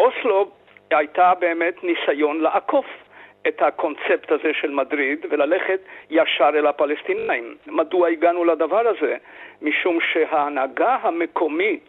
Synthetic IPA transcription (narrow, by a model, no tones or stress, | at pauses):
ʔoslob | hajtabeːmet̪nisajo̞nleʔakʰofʔethakʰo̞nt͡se̞pthazeʃelmadʁid̪velale̞χetjaʃaʁelapalestinaimːaduaiɡanuladavaʁaze̞miʃumʃeɦaːnaɡaɦamekʰomit